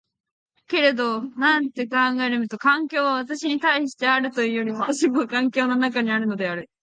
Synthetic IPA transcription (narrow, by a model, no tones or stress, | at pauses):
ke̞ɾe̞d̪o̞nãnt̪e̞kãŋɡaeɾɯmɯ̟t̪o̞kãŋkʲo̞ːβaβat̪aɕiɲ̟it̪aiɕi̥t̪e̞aɾɯ̟t̪o̞jɯ̟ːjo̞ɾʲiβat̪aɕimokãŋkʲo̞ːnonakaɲ̟iaɾɯ̟no̞d̪e̞aɾɯ̟